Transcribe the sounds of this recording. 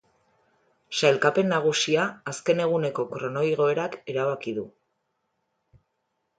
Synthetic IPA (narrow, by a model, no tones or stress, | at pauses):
salkape̞nːaɣ̞usiaːske̞ne̞ɣ̞une̞ko̞kɾo̞no̞jɣ̞o̞e̞ɾake̞ɾaβakiðu